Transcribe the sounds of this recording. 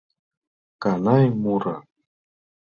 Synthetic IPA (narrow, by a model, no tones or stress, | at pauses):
kanajmʊɾa